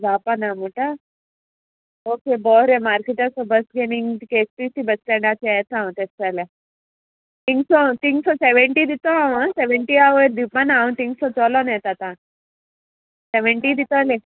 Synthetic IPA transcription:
d͡zapanamuʈa | okebɔɾemaɾkeʈasɔbəsɡeniŋkespisibəskɛ̃ɳɖat͡ɕʰiajt̪ʰãt̪espale | t̪iŋsɔt̪iŋsɔseʋeɳʈid̪it̪ɔawseʋeɳʈiaʋəɾd̪ipanãt̪iŋɡsɔt͡sɔlɔnɛt̪at̪ã | seʋeɳʈid̪it̪ale

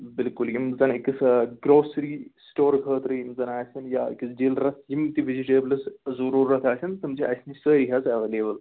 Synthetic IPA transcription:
bɪlkuljimzɐnikʲːisɡɾoːsɾiːsʈoːɾkʰəːt̪ɾɨjimzɐnaːsʲɐnja̰ːkisɖilɾɐt̪ʰjimt̪iʋiziʈeːblɐszɐɾuːɾɐt̪ʰaːsʲɐnt̪ɨmd͡ʒiʔɐsʲnisəːɾiɦɐzɐʋeːleːbəl

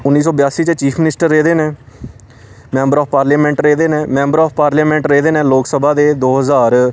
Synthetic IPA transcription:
ʊnːiːsɔːbjaːsiːt͡ʃət͡ʃiːpʰmɪnɪsʈəɾːeːd̪eːnẽː | mɛ̃ːmbəɾɔːppaːɾlaːmɛ̃ːɳʈɾeːd̪eːnẽːmɛ̃ːmbəɾɔːpʰpaːɾlaːmɛ̃ːɳʈɾeːd̪eːnẽːloːksəbʱaːd̪eːd̪oːɦəzaːɾ

